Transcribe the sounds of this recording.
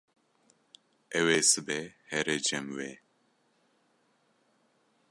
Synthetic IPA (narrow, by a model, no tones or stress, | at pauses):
ɛweːsɨbehɛɾed͡ʒɛmweː